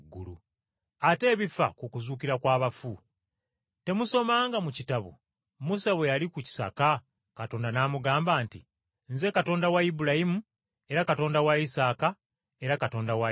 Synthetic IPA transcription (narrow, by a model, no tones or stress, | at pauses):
ɡulṵ | ate̞ːβifa̰kukuzuːkiɾakwaːβafu | te̞muso̞maːŋɡamucitaβṵ | musaβwe̞jalikuci̥sa̰ka | kato̞ːndanaːmuɡaːmbaːntḭ | nze̞kato̞ːndawajibulajimu | e̞ɾakato̞ːndawaisaːka | e̞ɾakato̞ːndawa